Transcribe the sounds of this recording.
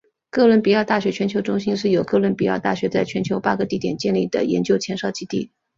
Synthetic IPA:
kɤ˥˧lwə˥˩npi˨˩jɑ˥˧ʊt̪a˥˩ɕɥɛ˧˥t͡ɕʰɥɛ˧˥nt͡ɕʰjo˧˥ʊʈ͡ʂʊ˥ŋɕi˥nʂ̬ɻ̩˥˩jo˨˩ʊkɤ˥˧lwə˥˩npi˨˩jɑ˥˧ʊt̪a̰˥˩ɕɥɛ˧˥t͡sa˥˩ɪt͡ɕʰɥɛ˧˥nt͡ɕʰjo˧˥ʊpa˥ɡə˧t̪i˥˩t̪jɛ˨˩nt͡ɕjɛ˥˧nli˥˩d̪ə̰˩jɛ̰˧˥nt͡ɕjo˥ʊt͡ɕʰjɛ˧˥nʂɑ˥˩ʊt͡ɕi˥t̪i˥˩

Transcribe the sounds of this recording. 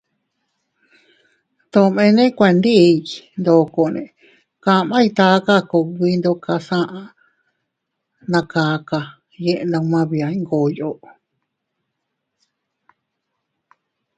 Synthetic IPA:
t̪õ˧mẽ˧nẽ˦kʷe˧nd̪i˦˧˨nd̪o˧˨ko˨nḛ̃˨ | kã˧˨mã˦i˧t̪a˧˦ka˦ko˧˨˧wi˦nd̪o˧ka˧sã˦ʔã˧ | nã˧kaː˨˧ka˧ | je˧ʔnd̪õ˧mã˦βi˧a˨˧ĩ˦ŋɡo˨jo˧˨ʔ

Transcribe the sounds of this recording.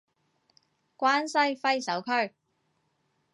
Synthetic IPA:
kʷwaː˥nsɐ˥jfɐ˥jsɐ˨˥wkʰɵ˥ɥ

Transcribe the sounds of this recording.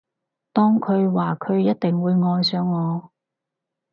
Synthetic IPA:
t̪ɔː˥ŋkʰɵ˨˧ɥwaː˨kʰɵ˨˧ɥjɐ˥t̚t̪ɪ˨ŋwuː˨˧jŋɔː˧jsœː˨˧ŋːɔː˨˧

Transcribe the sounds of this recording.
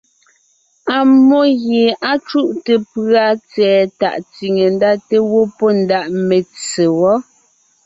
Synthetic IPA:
a˨mo˦ɣje˨a˦t͡ʃu˦ʔte˨pɰa˦t͡sɛː˨ta̰˨ʔt͡si˨ŋe˨n˦da˦te˦wo˦pɔ˦n̩˦da˦ʔme˨t͡se˨wɔ˦

